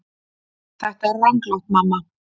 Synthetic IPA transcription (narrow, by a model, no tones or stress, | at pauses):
d̪̥ad̪araŋɡlɔd̚mama